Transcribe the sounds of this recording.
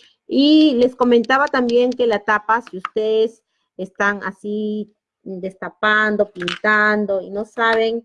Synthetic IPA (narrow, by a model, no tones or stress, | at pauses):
ile̞skoment̪aβat̪ambjeŋkelat̪apasiust̪eðes | est̪ana̰si | d̪est̪apand̪opint̪and̪oinosaβeŋ